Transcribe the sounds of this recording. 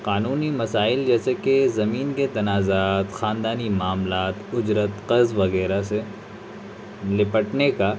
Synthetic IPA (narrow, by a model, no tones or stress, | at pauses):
qaːnuːnimɐsaːɪld͡ʒɛːsekezɐmiːnket̪ɐnaːzaːt̪xaːnd̪aːnimaːmlaːt̪ʊd͡ʒɾət̪qɐzʋɐɣɛːɾase | lɪpəʈneka